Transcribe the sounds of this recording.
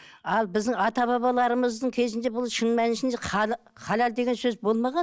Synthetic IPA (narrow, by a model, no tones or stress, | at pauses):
ɑlˠbɪzd̪ɪŋɑt̪ɑβɑβɑlˠɑɾəməzd̪əŋkʲʰe̞zɪnd̪e̞bʊlˠʃənmænʃɪnd̪eqʰɑ | χʰɑlʲɑld̪e̞ɡʲe̞nsɵzbo̞lˠmɑʁɑn